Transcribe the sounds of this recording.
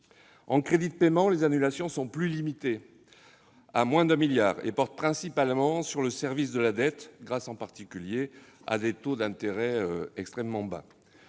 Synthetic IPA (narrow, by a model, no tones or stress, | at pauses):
ɑ̃kχed̪it̪əpemɑ̃lezanylasjɔ̃sɔ̃plylimit̪e | amwɛ̃d̪ɛ̃miljaːʁḛpɔʁt̪̚pχɛ̃sipalmɑ̃syʁləsɛʁvis̬d̪əlad̪ɛt̪ɡʁasɑ̃paʁt̪ikʲylje | a̰d̪et̪od̪ɛ̃t̪eʁɛøɛkst̪χɛmːɑ̃ba̰